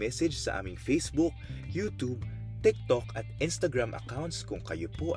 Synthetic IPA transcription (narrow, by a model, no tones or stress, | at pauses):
ɛsɛd͡ʒsɐ̰ʔa̰ːmɪŋfejsbʊk̚juːt̪ub̚ | t̪ɪk̚t̪okɐt̪̚ʔɪnst̪ɐɡɹamʔɐ̰kawnt̪skʊŋkɐjopoʔ